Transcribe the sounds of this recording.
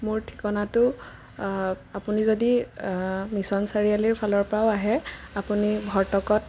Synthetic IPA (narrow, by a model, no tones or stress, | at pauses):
mʊɹtʰi̥kɔnatʊ | apunizodi | misɔnsaɹialiɹpʰalɔɹpɹaʊaɦɛapunibʱɔɹtɔkɔt̚